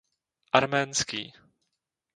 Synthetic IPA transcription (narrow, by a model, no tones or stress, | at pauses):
ʔaɾmɛːnskḭː